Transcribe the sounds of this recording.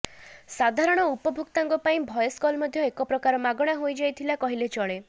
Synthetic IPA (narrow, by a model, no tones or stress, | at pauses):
sad̪ʱaɾɔɽ̃ɔupɔbʱukt̪aŋɡɔpaĩbʱɔjɔskɔlmɔd̪ʱjɔekɔpɾɔkaɾɔmaɡɔɽ̃aɦojd͡ʒajt̪ʰilakɔɦilet͡ʃɔɭe